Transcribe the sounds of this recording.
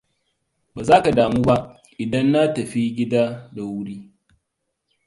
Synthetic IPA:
baː˨zaː˦ka˨daː˨muː˦ba˦ | ʔɪ˨dɐ˦nːa˦tɐ˨ɸi˦ɡʲɪ˦daː˦da˨wʊ˦ɽiː˦

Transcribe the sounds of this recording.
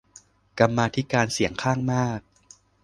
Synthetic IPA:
ka˧mːaː˧t̪ʰi˦˥kaː˧nsi˨˩˦əŋkʰaː˥˩ŋmaː˥˩k̚

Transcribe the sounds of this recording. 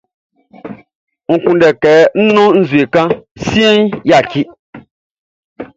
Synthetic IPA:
ŋ̩˨kũ˨ndɛ˨kɛ˨n̩˦nɔ̃˦n̩˦zwe˨kã˦si˦e˦n˦ja˨ki˦

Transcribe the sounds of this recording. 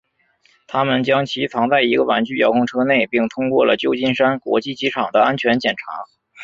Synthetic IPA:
t̪ʰa˥mə˨nt͡ɕjɑ˥ŋt͡ɕʰi˧˥t͡sʰɑ˧˥ŋt͡sa˥˩ɪi˧˥ɡə˧wa̰˧˥nt͡ɕy˥˩jɑ˧˥ʊkʰʊ˥ŋʈ͡ʂʰɤ˥ne˥˩ɪpi˥˩ŋt̪ʰʊ˥ŋkwɔ˥˩lə˩t͡ɕjo˥˧ʊt͡ɕi˥˩nʂa˥nkwɔ̰˧˥t͡ɕi˥˩t͡ɕi˧˥ʈ͡ʂʰɑ˨˩ŋd̪ə˦a˥nt͡ɕʰɥɛ˧˥nt͡ɕjɛ˨˩nʈ͡ʂʰa̰˧˥

